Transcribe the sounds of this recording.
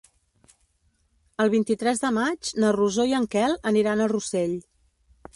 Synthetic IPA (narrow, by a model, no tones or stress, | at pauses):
əlˠβint̪it̪ɾɛzðəmad͡ʒnəruzoiəŋkɛlˠəniɾanəruseʎ